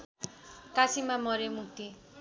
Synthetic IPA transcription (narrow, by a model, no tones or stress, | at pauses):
kasimamʌɾemuk̚t̪i